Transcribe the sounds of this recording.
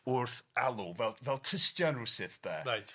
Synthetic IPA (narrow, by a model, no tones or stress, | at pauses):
ʊrθalˠuvɛlˠvɛlˠtʰəstjɔnusɪθb̥ɛ̰ːɾajt